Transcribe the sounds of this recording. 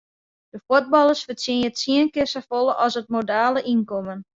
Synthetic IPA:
d̥əfod̚bɑlˠəsfəsinjətsiənkɪrsafolˠəʔɔsət̚modaːləʔinkɔmən

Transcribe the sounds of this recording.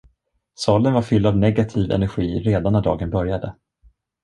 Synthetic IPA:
sɑːlənvaɾfʏld̪avnɛɡat̪ʰiːvɛ̰næɾɧiːɾeːd̪anːæɖɑ̰ːɡənbœɾjad̪ə

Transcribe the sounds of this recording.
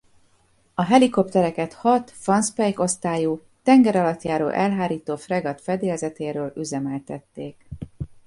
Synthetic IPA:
ɒɦɛliko̞pt̪ɛɾɛkɛt̪hɒt̪fɒnspɛjko̞st̪aːju | t̪ɛŋɡɛɾɒlɒt̪jaːɾo̰ːlʔɛlɦaːɾiːt̪oːfrɛɡɒt̪fɛd̪eːlzɛt̪eːɾøːlyzɛmɛlt̪ɛt̪ːeːk

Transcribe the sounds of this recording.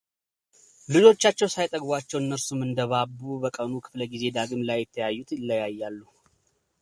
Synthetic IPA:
lɨd͡ʒo̞t͡ʃːat͡ʃːɛwsajt̪ʼəɡbʷat͡ʃːɛwɨnːəɾsumɨnd̪əβabːubəkʼənukʰɨ̥fləɡize̞d̪aɡɨmlajːɪt̪ʰːəjajːut̪ʰɪlːəjajːalːu

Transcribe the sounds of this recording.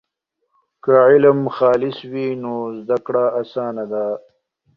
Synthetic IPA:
kaʕɪləmxɑːlɪswinoːzd̪akɽaːsɑːnad̪a

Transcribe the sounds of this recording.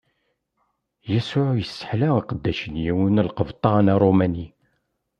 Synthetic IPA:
jæsʊʕjəsːə̥ħlæiqəd̪ːæʃənjiwinlqəvt̪ˤɑnæɾˤomæni

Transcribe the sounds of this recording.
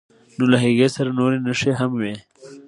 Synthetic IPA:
nolaɦiɣesaɾanoɾenəʂeɦamwe

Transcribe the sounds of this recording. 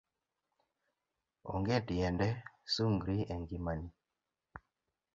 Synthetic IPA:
ɔ̰ŋɡɛtiɛndɛsuŋɡɾiɛŋɡimani

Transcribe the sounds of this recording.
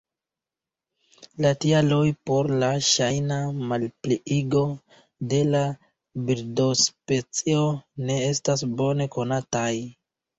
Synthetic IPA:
latialojpo̞ɾlaʃajnamalpliʔiɡo̞ | de̞la | biɾdo̞spe̞t͡sio̞ne̞e̞stasbo̞ne̞ko̞nataj

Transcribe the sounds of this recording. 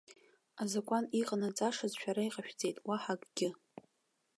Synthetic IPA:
azakʷʼaniqʼanat͡sʼaʂazʃʷᶣaɾaiqʼaʃᶣd͡zʼe̞jtʼwaħakʼɡʲɪ

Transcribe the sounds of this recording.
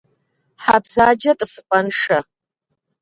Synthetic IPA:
ħabzaːd͡ʒɐtʼɨsɨqʷʼɐnʂɐ

